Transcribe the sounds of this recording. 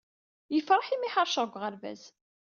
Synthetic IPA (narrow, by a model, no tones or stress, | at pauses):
jəfɾˤɑħimiħəɾˤʃəʁɡʷʁəɾvæ̰z